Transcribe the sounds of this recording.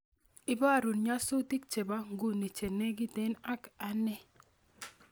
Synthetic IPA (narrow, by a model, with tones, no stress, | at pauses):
ɪ˦ba˦˨ɾu˨nɲa˦sʊ˦ti˦k̚t͡ʃe˨ba˦ŋ˦ɡu˦ni˨t͡ʃe˨ne˦ɡi˦te˦na˦ka˦nɛ˦